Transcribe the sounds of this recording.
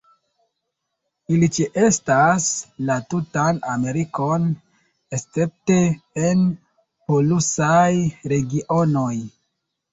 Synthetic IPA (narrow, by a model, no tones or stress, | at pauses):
ilit͡ʃeʔe̞staslatutana̰me̞ɾiko̞n | est͡se̞p̚te̞ːn | po̞lusajɾe̞ɡiʔo̞no̞j